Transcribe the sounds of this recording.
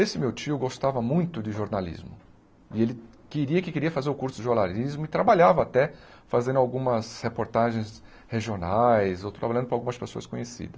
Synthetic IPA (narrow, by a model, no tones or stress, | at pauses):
esɪmewt͡ʃiʊɡost̪avɐmũj̃t̪ʊd̪ɪʒoɾnalḭzmʊ | ɪelɪ | keɾiɐkɪkeɾiɐfazeɾʊkuɾsʊd͡ʒɪʒoɾnalizmʊɪt̪ɾabaʎavɐːt̪ɛ | fazẽnd̪ʊawɡũmɐshepoɾt̪aʒẽj̃s | heʒionajzowt̪ɾabaʎɐ̃d̪ʊpɾawɡũmɐspesoɐskõɲesḭd̪ɐs